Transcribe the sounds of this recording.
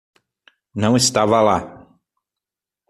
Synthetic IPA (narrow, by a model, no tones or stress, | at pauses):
nɐ̃w̃est̪avɐla